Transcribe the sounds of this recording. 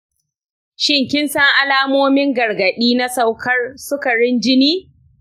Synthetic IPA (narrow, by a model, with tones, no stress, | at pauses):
ʃɪ˦ŋkʲɪ˦nsɐ˦ŋʔa˦laː˦moː˦mɪ˦ŋɡɐ˨rɡɐ˨ɗiː˦na˦sa˦wkʰɐ˦rsʊ˦kɐ˨ɽɪ˦nd͡ʒɪ˦niː˦